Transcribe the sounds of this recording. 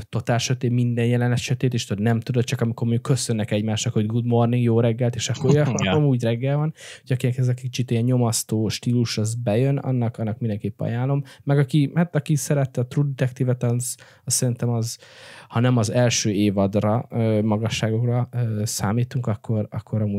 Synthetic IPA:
t̪o̞t̪aːrʃøt̪eːmind̪ɛnjɛlɛnɛʃɛt̪eːt̪eːʃt̪od̪nɛmt̪ud̪ot̪̚t͡ʃɒkɒmiko̞rmoɲɟukːø̞sønːɛkɛɟmaːʃnɒkho̞ɟɡud̪mo̞rniŋɡjoːɾɛɡːɛlt̪eːʃɒkːoɒmuːɟrɛɡːɛlvɒnhoɟɒkinkɛzɒkit͡ʃit̪ijɛɲɲo̞mɒst̪oːʃt̪iːluʃɒzbɛjønɒ̰nːɒkɒnːɒk̚mind̪ɛŋkeːpːɛɒ̰jaːlːo̞mːɛɡɒkihat̪ɒkisɛɾɛt̪ːɛɒt̪rud̪ɛt̪ɛkt̪iːvɛt̪ɒz | ɒsːɛɾint̪ɛmɒzhɒnɛmɒzɛlʃøːeːvɒd̪rɒøːmɒɡɒʃːaːɡo̞krɒøsa̰ːmiːt̪uŋkɒkʰːo̞ɾɒ̰kʰːoɾɒmuː

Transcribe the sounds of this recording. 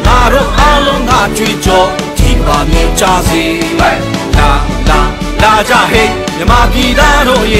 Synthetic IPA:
ŋaɾo̰ʔalõʊ̃ŋɡa̰ʔtwet͡ɕɔ | tʰimamjot͡ɕaze | ala | lad͡ʑa̰ɦemjəmat̪it̪aɾo̰ʔəje

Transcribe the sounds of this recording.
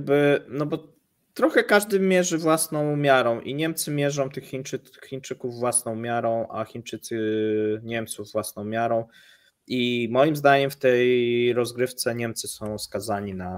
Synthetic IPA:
bɘnɔbɔ | t̪ɾɔxɛkaʐd̪ɘmʲjɛʐɘvwasnɔ̃w̃mʲjaɾɔ̃w̃ʔiɲɛmt̪sɘmʲjɛʐɔ̃w̃t̪ɘxːʲint͡ʂɘxʲːint͡ʂɘkuvːwasnɔ̃w̃mʲjaɾɔ̃w̃ʔa̰xʲint͡ʂɘt̪sɘɲɛmt̪suvːwasnɔ̃w̃mʲjaɾɔ̃w̃ | imɔjimzd̪aɲɛmft̪ɛjɾɔzɡɾɘft̪sɛɲɛmt̪sɘsɔ̃w̃skazaɲina

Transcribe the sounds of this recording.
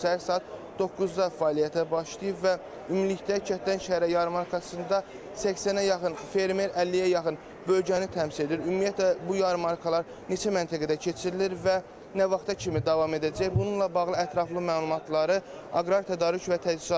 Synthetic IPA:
ʃæhæɾsɑːt̪ | d̪o̞kːuzd̪ɑfɑːlijæt̪ʰæbɑʃt̪ɯjɯbvæ | ymiliçd̪æcʰæt̪d̪ænʃæhæɾæjɑɾɯmɑɾkʰɑsɯnd̪ɑ | sæçsænæjɑxɯnfe̞ɾme̞ɾælːijæjɑxɯn | bølɟænit̪ʰæmsile̞d̪iɾymːijæt̪læbujɑɾɯmɑɾkʰɑlˠɑɾ | ne̞t͡ʃʰæmænt̪ʰæɡæd̪æcʰe̞t͡ʃʰiɾiliɾvæ | nævɑχt̪ɑcʰimid̪ɑvɑme̞d̪æd͡ʒæjbununlˠɑbɑɣlˠɯæt̪ɾɑflˠɯmæːlˠumɑt̪lˠɑɾɯ | ɑɡɾɑɾt̪ʰæd̪ɑːɾycvæt̪ʰæzizɑ

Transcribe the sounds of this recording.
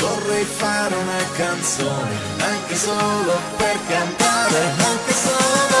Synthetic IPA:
vorːɛjfaɾunakant̪soːnḭ | aŋkesoloperkant̪aːɾeaŋkesoːlo

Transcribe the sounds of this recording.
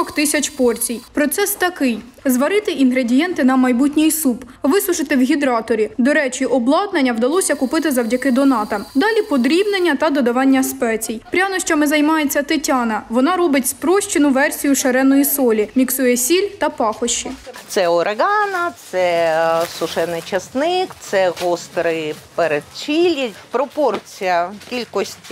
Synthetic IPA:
ɔkt̪ɪsʲɐt͡ʃʲpɔrt͡sʲijpɾɔt̪sɛst̪ɐkɪj | zʋɐɾɪt̪ɪʔinɦɾe̞dʲijɛnt̪ɪnɐmɐjbutʲnʲijsup | ʋɪsˠʊʒɪt̪ɪwɦʲid̪ɾɑt̪ɔɾʲid̪ɔɾɛt͡ʃiʔɔblˠɑd̪nɐnʲːɐwd̪ɐlˠɔsʲɐkʊpɪt̪ɪzɐwdʲɐkɪd̪ɔnɑt̪ɐd̪ɑlʲipɔd̪ɾʲiwnenʲːɐt̪ɐd̪ɔd̪ɐʋɑnʲːɐspɛt͡sʲijpɾʲanɔʃt͡ʃɔmɪzɐjmɑjet͡sʲːɐt̪ɪtʲɑnɐʋɔnɑɾɔbɪtʲspɾɔʃʲt͡ʃɪnʊʋɛrsʲijʊʃɐɾɛnɔjisɔlʲimʲiksujɛsʲilʲt̪ɐpɑxɔʃːit̪sɛɔɾʔeɣɑnɐt̪sɛsʊʃɛnɪt͡ʃɐsnɪkt̪sɛɣɔst̪ɾɪpeɾed̪̚t͡ʃʲilʲipɾɔpɔrt͡sʲijɐkʲilʲkɔsʲtʲ

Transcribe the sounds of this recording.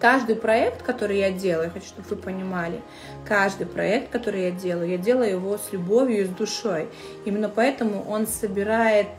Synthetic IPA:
kaʐd̪ɨjpɾɐɛkt̪kɐt̪o̞ɾɨjadʲe̞lˠəjʊxɐt͡ɕu̥ʂt̪o̞bvɨpənʲɪmalʲɪ | kaʐd̪ɨjpɾɐ̰ɛk̚t̪̚kɐt̪o̞ɾɨjadʲe̞lˠəjʊjadʲe̞lˠəjʊjɪvo̞sʲlʲʊbo̞vʲjʊɪzd̪ʊʂo̞j | imʲɪnːəpɐɛt̪əmʊʔo̞nsəbʲɪɾajɪt̪̚

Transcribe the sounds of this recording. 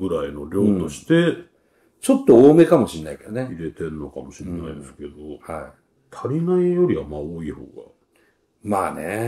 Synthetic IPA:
ɡɯ̟ɾaino̞ɾʲo̞t̪o̞ɕi̥t̪e̞ | t͡ɕo̞t̪ːo̞oːme̞kamo̞ɕinːaiked̪oneiɾe̞t̪e̞ɾnːo̞kamo̞ɕienaid̪esɨ̥ke̞d̪o̞hai | t̪ʰaɾʲinaijo̞ɾʲiβamaoːiːho̞̰ːɡa̰ | maːnḛ

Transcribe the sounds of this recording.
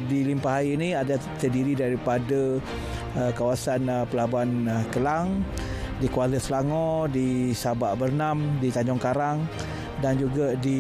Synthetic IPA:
dilimpaɦaiːnĩada | t̪ədiɾidaɾipada | kawasanpəlabankəlaŋ | dikualəslaŋɔdisabaʔbərnamdit̪aɲd͡ʒɔŋkaɾaŋ | dand͡ʒuɡadi

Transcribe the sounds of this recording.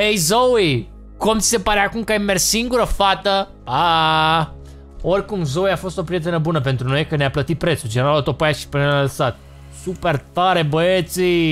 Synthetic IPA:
ejzowi | ko̞mt̪sise̞paɾeakumkəajmerssiŋɡuɾəfat̪ə | a | o̞rʲkumzowiafo̞st̪o̞pɾije̞t̪e̞nəbunəp̬e̞nt̪ɾuno̞jkəneaplət̪it̪̚pɾe̞t̪sud͡ʒeneɾalot̪opojaʃi̥pennalsat̪̚ | supe̞rt̪aɾebəet̪si

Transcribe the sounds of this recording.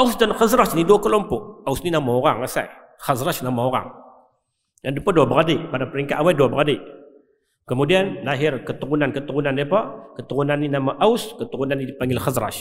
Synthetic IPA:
ausdanxazɾaʃnidokalompoawusninamawɣaŋasḛ | xazɾaʃnamawɣa̰ŋ | nadupadawabaɣadipadapɾiŋkaʔawadawabadi | kamudianlaɦiɾkatuɣunankatuɣunanepakatuɣunaninamaʔawuskatuɣunanidpaŋilxazɾa̰ʃ

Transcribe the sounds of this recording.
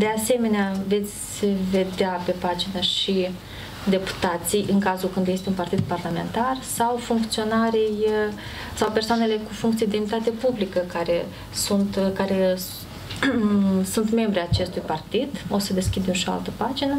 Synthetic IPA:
d̪e̞ase̞me̞neave̞t̪sʲve̞d̪eape̞pad͡ʒinaʃi | d̪e̞pu̥t̪at̪sijʔɨŋkazulkɨnd̪je̞st̪eunpart̪id̪̚parlame̞̰nt̪arsawfuŋkt̪sio̞naɾij | sawpersoane̞le̞kufuŋkt̪sied̪eunit̪at̪e̞publikəkaɾe̞ | sunt̪kaɾe̞ | sunt̪me̞mbɾeat͡ʃe̞st̪ujpart̪id̪o̞səd̪e̞skʲid̪emʃioa̰lt̪əpad͡ʒinə

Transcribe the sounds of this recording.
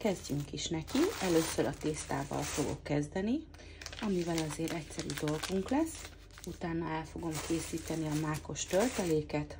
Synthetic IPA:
kɛzɟyŋkiʃnɛkiɛløːsøɾɒt̪eːst̪a̰ːvɒ̰lfo̞ɡo̞̰kːɛzd̪ɛni | ɒmivɛlɒzeːɾɛcsɛɾyd̪o̞lɡuŋklɛs | ut̪aːnːɒɛlfo̞ɡo̞mkʰeːsiːt̪ɛniɒmaːko̞ʃt̪ølt̪ɛleːkɛt̪

